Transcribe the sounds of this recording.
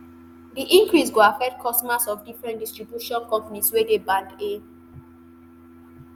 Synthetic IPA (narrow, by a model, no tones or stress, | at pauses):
diʔĩŋkɹisɡoafɛk̚t̚kʰɔstɔmasɔfdifɹɛ̃ntdistɹibjuʃɔ̃nkɔ̃mpaniswedebãnde